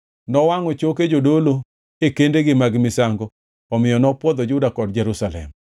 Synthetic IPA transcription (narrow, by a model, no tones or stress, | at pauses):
nɔwaŋɔt͡ʃoked͡ʒodolo | ekendeɡɪmaɡmɪsaŋɡɔ | ɔmɪjɔnɔpwɔd̪ɔd͡ʒʊdakɔdd͡ʒɛɾusalɛ̰m